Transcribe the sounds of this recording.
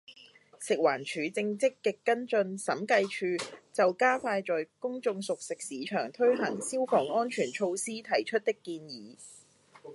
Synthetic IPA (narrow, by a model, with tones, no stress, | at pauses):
sɪ˨k̚waː˨˩nt͡ʃʰyː˨˥t͡sɪ˧ŋt͡sɪ˥kːɛː˧kːɐ˥nt͡sɵ˧nsɐ˨˥mkɐ˧jt͡ʃʰyː˧t͡sɐ˨wkaː˥faː˧jt͡sɔː˨jkʊ˥ŋt͡sʊ˧ŋsʊ˨k̚sɪ˨k̚siː˨˥t͡ʃʰœː˨˩ŋt̪ʰɵ˥ɥɦɐ˨˩ŋsiː˥wfɔː˨˩ŋɔː˥nt͡ʃʰyː˨˩nt͡ʃʰo˧wsiː˥t̪ʰɐ˨˩jt͡ʃʰɵ˥t̚t̪ɪ˥kːiː˧njiː˨˦